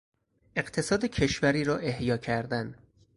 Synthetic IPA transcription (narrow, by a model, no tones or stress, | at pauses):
ʔe̞ɢt̪ʰe̞sɒːd̪ecʰe̞ʃvæɾiːɾɒːʔe̞hjɒːcʰæɾd̪æn